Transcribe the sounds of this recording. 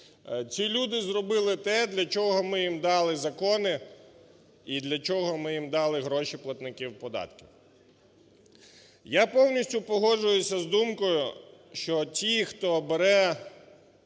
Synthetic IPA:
t͡sʲilʲud̪ɪzrɔbɪlˠɪt̪ɛd̪lʲɐt͡ʃɔɦɔmɪjimd̪ɑlˠɪzɐkɔnɪ | id̪lʲɐt͡ʃɔɦɔmɪjimd̪ɑlˠɪɦɾɔʃiplˠɐt̪nɪkʲiwpɔd̪ɑ̰t̪kʲiw | japɔwnʲisʲtʲʊpɔɦɔʒʊjʊsʲɐzd̪umkɔjʊ | ʃt͡ʃɔtʲixt̪ɔbeɾɛ

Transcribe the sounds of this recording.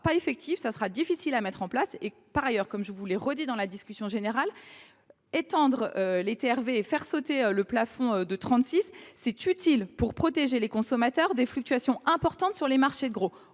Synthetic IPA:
paefɛk̚t̪ʰifsasəʁad̪ifisilamɛt̪χɑ̃plase | paʁajœʁkɔmʒəvuleʁəd̪id̪ɑ̃lad̪iskʲysjɔ̃ʒeneʁal | et̪ɑ̃d̪ʁølet̪eɛʁveːfɛʁsot̪eøləplafɔ̃ød̪ət̪χɑ̃t̪sisːɛt̪yt̪ʰilpuʁpχɔt̪eʒelekɔ̃sɔmat̪œʁd̪eflyk̚t̪yasjɔ̃ɛ̃pɔʁt̪ɑ̃t̪syʁlemaʁʃed̪əɡʁo

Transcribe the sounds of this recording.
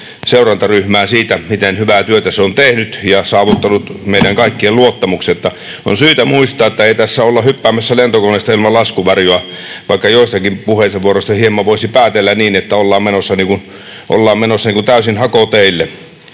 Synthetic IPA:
seˑurɑnt̪ɑryhmæːsiːt̪æmit̪enhyʋæt̪yøt̪æseont̪ehnyt̪jɑsɑːʋut̪ːɑnut̪meˑiɾæŋkɑˑikːielluot̪ːɑmuksiot̪ːɑ | o̰nsyːt̪æmuist̪ˑɑːet̪ːæeˑit̪æsːæolːɑhypːæːmːˑæsːælent̪okonːeˑst̪ɑilmɑlɑskuʋɑrjoɑʋɑ̰ˑikːɑjoˑist̪ɑkimpuheˑseʋʋuoroˑst̪ɑhiemːɑʋoˑisipæːt̪elːæniːnet̪ːæolːɑːmmenosːɑniːkun | ʔo̰lːɑːmmenosːɑniːŋkunt̪æˑysinhɑkot̪eˑilːe

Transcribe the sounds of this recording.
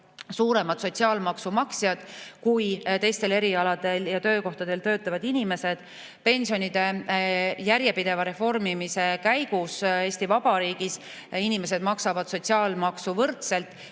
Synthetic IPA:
suːɾe̞mɑt̪so̞t̪ʲsiɑːlmɑksumɑksjɑd̪̥kujt̪e̞jst̪e̞le̞ɾiɑlɑd̪̥e̞ljɑt̪ø̞ːko̞ht̪ɑd̪e̞lt̪ø̞ːt̪ːˑɑvɑd̪̥inime̞se̞d̪̥ | pe̞nʲsio̞nʲid̪̥e̞ | jæɾje̞pid̪̥e̞vɑɾe̞fo̞rmimise̞kæjɡ̥use̞ːsʲt̪ivɑb̥ɑɾiːɡ̥is | inime̞s̬e̞d̪mɑksɑvɑd̪̥so̞t̪ʲsiɑːlmɑksuvɤrt̪se̞lt̪ːˑ

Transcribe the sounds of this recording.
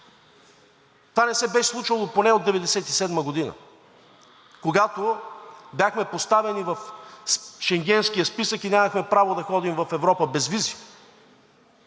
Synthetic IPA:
t̪vanɛsɛbɛslˠut͡ʃvəlˠoponɛod̪ɛvɛd̪ɛsɛt̪isɛd̪məɡod̪inə̰ | koɡat̪obʲjaxmɛpost̪avɛnivɐf | ʃɛŋɡʲɛnskijəspisəkinʲaməxmɛpɾavod̪ɐxɔd̪imvɐfɛvɾɔpəbɛzvizi

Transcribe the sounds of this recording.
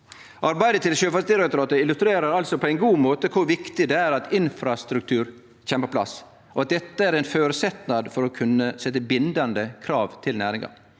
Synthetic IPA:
ʔɑɾbæɪd̪ət̪ʰɪlʃøːfɑsd̪ɪɾɛkt̪ɾɑːt̪əɪlʉst̪ɾeːɾəɾɑlsɔpʰɔæɪnɡuːmoːt̪əkʰʊɾʋɪkt̪ɪd̪ɛæːɾɑt̪ɪnfɾɑst̪ɾʉk̚t̪ʰʉːɾ | çɛmpʰɔpʰlɑ̰s | ɔɑt̪̚d̪ɛt̪ːəæɾɛɪnføːɾəsɛt̪nɑd̪fɔɾɔkʰʉnːəsɛt̪ːəbɪnd̪ɑnd̪əkʰɾɑːʋt̪ʰɪlnæːɾɪŋɑ̰

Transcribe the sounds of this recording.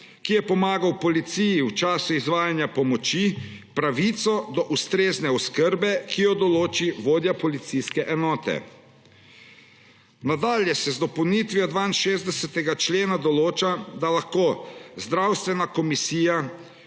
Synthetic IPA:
kijɛpɔmaːɡawpɔlit̪sijiwt͡ʃaːsuizʋaːjanjapɔmɔt͡ʃipɾaʋit̪sɔd̪ɔʔust̪ɾeːznɛɔskəɾbɛkijɔd̪ɔloːt͡ʃiʋoːd̪japɔlit̪siskɛʔɛnɔːt̪ɛ̰ | nad̪aːljɛsɛzd̪ɔpəwnit̪ʋiɔd̪ʋaːinʃeːzd̪ɛsɛt̪ɛɡat͡ʃleːnad̪ɔloːt͡ʃad̪alaxkoːzd̪ɾawst̪ʋɛnakɔmisiːja

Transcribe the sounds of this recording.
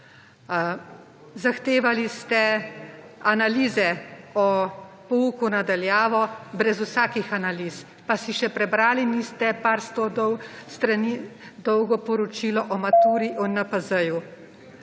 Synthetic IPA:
zaxt̪eːʋalist̪ɛ | analiːzɛɔ | pɔuːkunad̪aljaːʋɔbɾɛzusaːkixanaliːs | pasiʃɛpɾɛbɾaːliniːst̪ɛpaɾst̪ɔd̪ɔwst̪ɾanid̪ɔwɡɔpɔɾɔt͡ʃiːlɔʔɔmat̪uːɾiʔɔnapɐzəju

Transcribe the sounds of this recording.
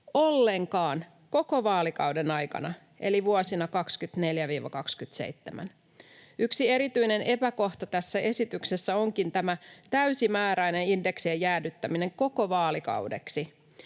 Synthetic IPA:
o̞lːeŋkɑːn | ko̞ko̞ʋɑːlikɑudenɑjkɑ̰nɑ | ʔe̞̰liʋuosinɑkɑkskyt̪ne̞ljæʋiːʋɑ̰kɑkskyt̪sḛit̪ːemæ̰n | yksie̞ɾit̪yine̞nʔe̞pæko̞ht̪ɑt̪æsːæʔe̞sit̪ykse̞sːæo̞ŋkint̪æmæt̪æysimæːɾæijne̞ninde̞ksiejæːdyt̪ːæmine̞ŋko̞ko̞ʋɑːlikɑ̰wde̞̰ksi

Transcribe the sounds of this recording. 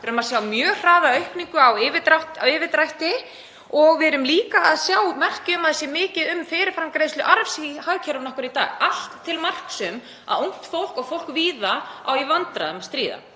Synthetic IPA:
ɛɾʏmaðsjawmjœːr̥aːðaœɥhpniŋkʏawɪːvɪt̪ɾaht̪awɪːvɪt̪ɾajht̪ɪ | ɔɣvɪɛɾʏmliːkaaðsjaːwmɛr̥cʏmaðɪsjɛmɪːcɪðʏmfɪːɾɪɾfɾamkɾejst̪ʏʔaɾvsihaðcʰɛlʏmnɔhkɾʏɾit̪a̰ːɣal̥t̪ʰːɪlmar̥ksʏm | a̰ðuwŋ̥t̪fowl̥kɔɣfowl̥kviːðaa̰wivant̪ɾa̰ðɛmast̪ɾiːða̰

